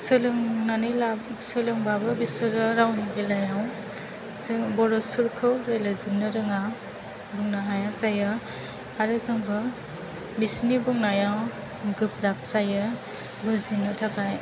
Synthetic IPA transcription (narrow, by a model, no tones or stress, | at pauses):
sɯlɯŋnanilasɯlɯŋbabɯbisɯɾɯɾawniɡelajaw | sbɔɾɔsuɾkʰɯwɾelazɯmnɯɾɯŋa | buŋnaɦajasajɯ | aɾɯzɯŋbɯ | bisnibuŋnajaw | ɡɯp̚ɾap̚sajɯ | ɡuzinɯtʰakʰaj